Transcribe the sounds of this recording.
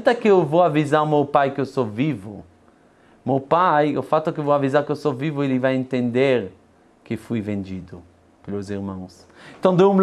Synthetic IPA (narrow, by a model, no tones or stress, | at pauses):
t̪ɐkɪewvowavizaɾʊmewpajkɪewsovivʊ̰ | mewpajʊ̰fat̪ʊkɪewvowavizaɾkɪewsovivʊelɪvajẽnt̪ẽnd̪eɾ | kɪfujvẽnd͡ʒid̪ʊ | pelʊziɾmɐ̃w̃s | k̪ɐ̃d̪ʊewm